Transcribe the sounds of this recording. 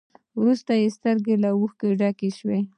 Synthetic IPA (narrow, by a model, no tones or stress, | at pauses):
wɾust̪ajest̪əɾɡelawuxkeɖakeʃwe